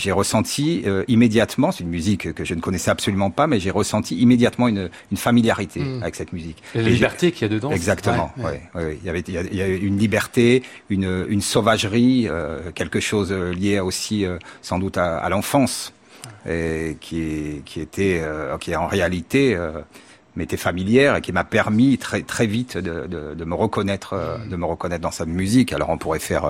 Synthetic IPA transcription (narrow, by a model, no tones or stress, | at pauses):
ʒeʁəsɑ̃t̪ʰiøimed̪jat̪mɑ̃sɛ̥t̪ynmyzikkːəʒənəkɔnɛsɛabsɔlymɑ̃pamɛʒeʁəsɑ̃t̪ʰiimed̪jat̪mɑ̃yn | ynfamiljaʁit̪ʰeavɛksɛt̪myzikeiʒɛʁt̪ekʲiad̪əd̪ɑ̃ɛɡzakt̪əmɑ̃wḭwiwiljavɛiljailjaɛynlibɛʁt̪e | ynøynsovaʒʁiø̰kʲɛlkəʃozøljeosiøsɑ̃d̪ut̪aa̰lɑ̃fɑ̃s | ekʲʰiɛkʲʰiet̪ʰɛøkʲiɛɑ̃ʁealit̪eø | met̪ɛfamiljɛʁekʲimapɛʁmit̪χɛt̪χɛvit̪d̪əd̪əd̪əməʁəkɔnɛt̪χød̪əməʁəkɔnɛt̪χd̪ɑ̃samyzikalɔ̰ʁɔ̃puʁɛfɛʁ